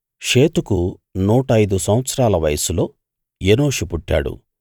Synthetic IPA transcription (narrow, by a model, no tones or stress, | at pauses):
ʂe̞ːt̪uku | nuːʈɐjd̪usɐ̃wʋɐt̪sɐɾaːlɐʋɐjɐsulo̞ː | jenoːʂupuʈːa̰ːɽṵ